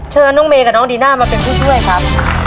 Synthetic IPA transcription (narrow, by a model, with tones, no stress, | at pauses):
t͡ɕʰɤː˧nːɔː˦˥ŋmeː˧kaː˨˩nɔː˦˥ŋdiː˧naː˥˩maː˧pe˧npʰiː˥˩t͡ɕʰu˥˩əjkʰa˦˥p̚